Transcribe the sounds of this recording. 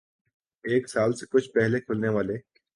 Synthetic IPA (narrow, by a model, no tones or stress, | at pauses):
eːksaːlsekʊt͡ʃʰpɛɦlekʰʊlneʋaːle